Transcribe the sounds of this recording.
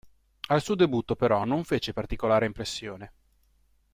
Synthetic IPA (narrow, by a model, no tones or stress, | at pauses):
alsuːod̪ebut̪ːopeɾɔnoɱfeːt͡ʃepart̪ikolaːɾeimpɾesːjoːne